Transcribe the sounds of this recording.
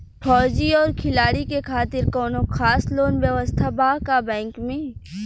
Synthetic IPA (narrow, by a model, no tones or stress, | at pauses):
fʰɔːd͡ʒiɔːɾkʰɪlaːɽikekʰaːt̪ɪɾkɔːnoxʰaːsloːnʋjəʋəst̪ʰabaːkabɛ̃ːŋkmẽ